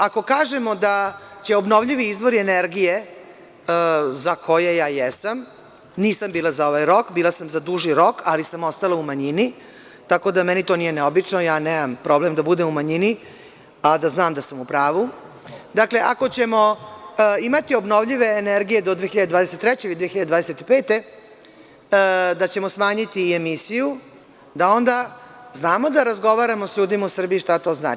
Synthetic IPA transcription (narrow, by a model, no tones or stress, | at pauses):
akokaːʒemo̞d̪at͡ɕe̞obno̞ʋʎiʋiizʋo̞ɾieneɾɡije̞ | zakʰo̞je̞jaːjesam | niːsambiːlˠazao̞ʋajɾo̞kbiːlasamzad̪uʒiɾo̞kʰalisamo̞st̪alaumaɲini | t̪ako̞d̪amɛnit̪onije̞neobit͡ʂno̞jaːneːmampɾo̞ble̞md̪abud̪emumaɲini | ad̪aznaːmd̪asamupɾaːʋu | d̪akle̞ʔa̰ko̞t͡ɕe̞mo̞ | imat̪io̞bno̞ʋʎiʋe̞ːneɾɡijed̪o̞d̪ʋeːxiʎad̪ed̪vaːd̪eset̪t̪ːɾɛt͡ɕelid̪ʋexiʎaded̪aːd̪eset̪ipe̞ːt̪e̞ | d̪at͡ɕe̞mo̞smaːɲit̪iemisiju | d̪ao̞nd̪aznaːmo̞d̪aɾazɡo̞ʋaːɾamo̞sʎuːd̪imausr̩biiʂt̪at̪o̞ːzna̰ːt͡ʃi̥